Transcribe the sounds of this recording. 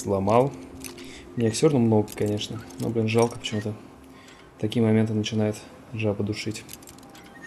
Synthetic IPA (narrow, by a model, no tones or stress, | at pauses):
slˠɐmɑlˠ | mnʲeksʲornəmnoɡəkːɐnʲe̞ʂnəno̰blʲinʐalˠkə̥pət͡ɕɪmut̪ə | t̪ɐkʲijəmɐmʲe̞nt̪ɨnət͡ɕɪnajɪt̪ | ʐapəd̪ʊʂɨtʲ